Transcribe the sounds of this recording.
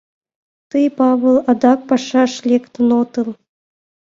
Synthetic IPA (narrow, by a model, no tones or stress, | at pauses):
t̪ɨjpɑβɤ̆lˠɑd̪ɑk̚pɑʃɑʃlʲekt̪not̪ɤ̆lˠ